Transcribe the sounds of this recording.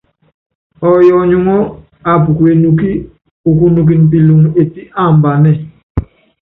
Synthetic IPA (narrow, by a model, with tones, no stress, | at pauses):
ɔ˨jɔ˨ɲu˦ŋɔ˦ | a˨p̬u˨ku˨e˨nu˨ki˦ | u˨ku˦nu˨k̬i˨np̬i˨lu˨ŋe˨ti˦ʔa˦˨mba˨nɛ˦˨